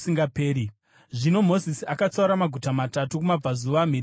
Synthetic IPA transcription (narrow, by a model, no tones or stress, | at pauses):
siŋɡapeːɾi | ʐino̞mo̞zisiakat͡sauɾamaɡʱutamatatukumab͡vazuʋaːm̤ir